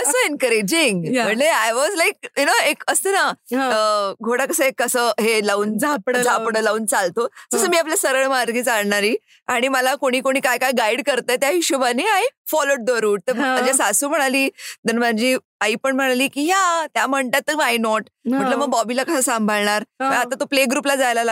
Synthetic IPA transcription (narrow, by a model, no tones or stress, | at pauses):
əsoenkəɾed͡ʑiŋɡməɳleajʋɔzlajk̚junoekəst̪ənaəɡʱoɽakəsəekːəsəːɦelauːnd͡zʱapɽd͡zʱapɽəlauːnt͡salt̪od͡zəsəmiːap̬ljasəɾəɭmaɾɡiːt͡salɳaɾiː | aɽ̃iməlakoɽ̃iːkoɽ̃iːkajkajɡaiɽkəɾt̪ajt̪jaɦiɕuʋaneajfɔloɽ̚d̪əɾuːʈt̪eəɲd͡ʑasasuːm̤əɽ̃aliːd̪ənmad͡ʑiː | aiːpəɳm̤əɽ̃aliːkiːɦat̪jam̤əɳt̪at̪ːəajnɔʈ | məʈləməɡ̚bɔbilakəsasãmbʱəlɳaɾpəat̪at̪opleɡɾuːplad͡zajlala